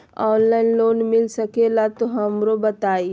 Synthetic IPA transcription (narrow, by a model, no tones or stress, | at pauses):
ɔːnlaːinloːnmɪlsəkelat̪oɦɐmɾobɐt̪aːi